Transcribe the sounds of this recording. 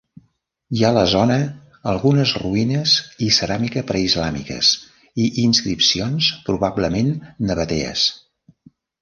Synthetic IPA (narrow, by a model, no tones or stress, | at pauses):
iaələzɔnə | əlˠɣunəzruinəzisəɾamikəpɾəizlamḭkə̰s | iʔinskɾipsionspɾuβabləmenːəβət̪eə̰s